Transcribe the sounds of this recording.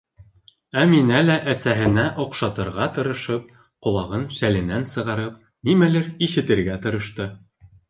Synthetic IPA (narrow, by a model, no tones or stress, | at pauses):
æminælæʔæsæɦɘ̆næʔŏqʃɑt̪ɤ̆ɾʁɑt̪ɤ̆ɾɤ̆ʃɤp̚ | qŏlˠɑʁɤnsælɘ̆nænsɤ̆ʁɑɾɤp̚ | nimælɘɾiʃɘ̆t̪ɘ̆ɾɡæt̪ɤ̆ɾɤ̆ʃt̪ɤ